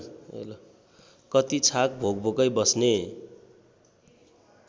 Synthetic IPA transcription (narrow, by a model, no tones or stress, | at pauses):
l | kʌt̪it͡sʰak̚bʱoɡbʱokʌjbʌsne